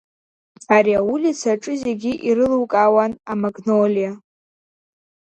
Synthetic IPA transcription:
aɾiawulit͡sʰaʈ͡ʂʼɨzeɡʲiʔiɾɨlɨwkʼawanamaɡnolija

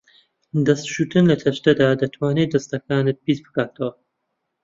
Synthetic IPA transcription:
d̪ɐst̪ʃuːt̪ɨnlɐt̪ʰɐʃt̪ɐd̪aːd̪ɐt̪ʰwaːned̪ɐst̪ɐkaːnɨt̪̚biːzbɨkaːt̪ʰɐwɐ

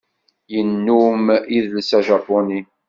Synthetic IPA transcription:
jənːumiðlsæʒɑpːʊni

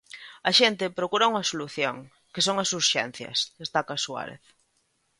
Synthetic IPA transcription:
ɐʃent̪epɾokuɾauŋɐsoluθjo̰ŋ | kesoŋasuɾʃɛ̰n̟θjɐ̰sðest̪akaswa̰ɾḛθ

